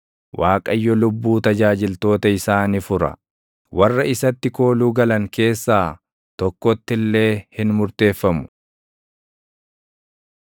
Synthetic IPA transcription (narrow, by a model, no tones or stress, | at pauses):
wʔaːkʼɐjːɔlʊbːuːt̪ɐd͡ʒaːd͡ʒɪlt̪o̞ːt̪ɐɪsaːnifʊɾɐ̰ | wɐrːɐɪsɐt̪ːɪko̞ːluːɡɐlɐŋke̞ːsːaː | t̪ɔkːɔt̪ːɪlːe̞ːhɪnmʊɾt̪e̞ːfːɐmʊ̥